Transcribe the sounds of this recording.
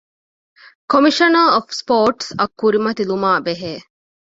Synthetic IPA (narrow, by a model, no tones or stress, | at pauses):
komiʃɐnɐɔfspoːʈsɐkːuɾimɐt̪ilumaːbeɦeː